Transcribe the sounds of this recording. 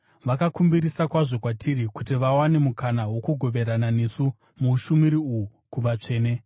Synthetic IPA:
ʋakakumbiɾisakwaʐo̞kwatʰiɾikutiʋawane̞mukanawo̞kuɡʱo̞ʋe̞ɾanane̞su | muʃumiɾiuu | kuʋat͡ʂe̞ːne

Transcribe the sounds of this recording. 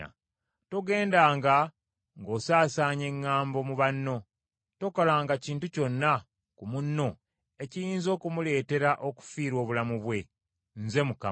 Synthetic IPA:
to̞ɡe̞ːndaːŋɡa | ŋɡo̞ːsaːsaːɲe̞ŋːaːmbo̞muβanːo̞ | to̞kolaːŋɡaciːntuco̞nːa | kumunːo̞ | e̞cijiːnzo̞ːkumule̞ːte̞ɾaʔo̞ku̥fiːɾwo̞ːβulamuβwe̞ | nze̞muka̰

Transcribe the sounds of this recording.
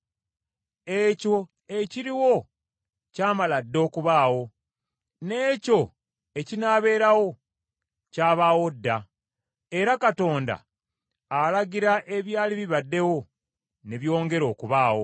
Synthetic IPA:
eco̞ | eciɾiwo̞ | caːmaladːo̞ːkuβaːwo̞ | ne̞ːco̞ | ecinaːβe̞ːɾawo̞ | caːβawo̞dːa | e̞ɾakato̞ːnda̰ː | laɟiɾaʔe̞βjaːliβiβadːe̞wo̞ | ne̞βjo̞ːŋɡe̞ɾo̞ːkuβaːwo̞

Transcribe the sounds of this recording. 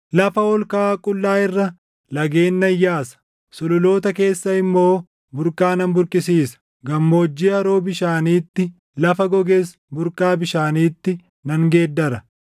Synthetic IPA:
lɐfɐɔlkaːkʼʊlːaːɪrːɐ | lɐɡe̞ːnːɐjːaːsɐ̥ | sɔlʊlo̞ːt̪ɐke̞ːsːɐɪmːo̞ː | bʊɾkaːnɐnbʊɾkʼɪsiːsɐ̥ | ɡɐmːo̞ːd͡ʒːiːɐɾoːbɪʃaːniːt̪ːɪ | lɐfɐɡɔɡeːs | bʊɾkʼaːbɪʃaːniːt̪ːɪ | nɐŋɡeːd̪ːɐɾɐ

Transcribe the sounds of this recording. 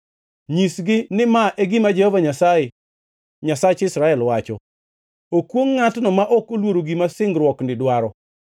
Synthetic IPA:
ɲisɡɪnɪmaʔeɡimad͡ʒɛhɔvaɲasae | ɲasat͡ʃɪsɾaɛlwat͡ʃɔ̰ | okwoŋːatnɔmaʔɔkolwoɾoɡimasɪŋɡɾwɔknɪdwaɾɔ

